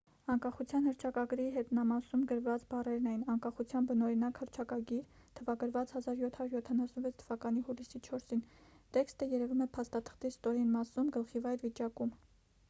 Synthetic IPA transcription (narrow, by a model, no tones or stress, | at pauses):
ɑŋkɑχut͡sʰjɑnhəɾt͡ʃʰɑkɑɡɾiɦɛt̪nɑmɑsumɡəɾvɑt͡sbɑrɛɾnɑjnɑŋkɑχut͡sʰjɑnbənɔɾinɑkhəɾt͡ʃʰɑkɑɡiɾ | t̪ʰəvɑɡəɾvɑt͡shɑzɑɾjɔt̪ʰɑjuɾjɔt̪ʰɑnɑsnvɛt͡sʰt̪ʰə̥vɑkɑnihulisit͡ʃʰɔɾsint̪ɛkst̪əjɛɾɛvumɛpʰɑst̪ɑt̪ʰə̥χt̪ist̪ɔɾinmɑsumɡəlχivɑjɾvit͡ʃɑkum